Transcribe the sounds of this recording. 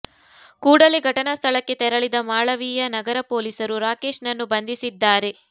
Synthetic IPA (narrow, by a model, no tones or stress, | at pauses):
kuːɽɐliɡʱɐʈɐnɐst̪ʰɐɭɐkːe̞t̪ɛɾɐɭid̪ɐmaːɭɐʋiːjɐnɐɡɐɾɐpo̞ːliːsɐɾuɾaːkeːʂnɐnːubɐnd̪isid̪ːaːɾe̞